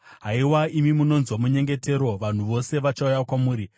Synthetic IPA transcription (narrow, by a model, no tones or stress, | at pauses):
ɦaiwaimimuno̞nzwamuɲe̞ŋɡe̞te̞ɾo̞ʋan̤uʋo̞se̞ʋat͡ʃaujakwamuːɾi